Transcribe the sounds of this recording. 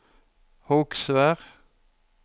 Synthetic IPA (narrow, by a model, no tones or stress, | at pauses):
hɔksʋæːʁ